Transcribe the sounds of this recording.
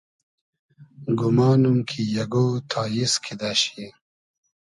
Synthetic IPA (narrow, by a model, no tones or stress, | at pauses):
ɡumɑːnumkʰijɐɡot̪ʰaːjiskʰid̪aɕi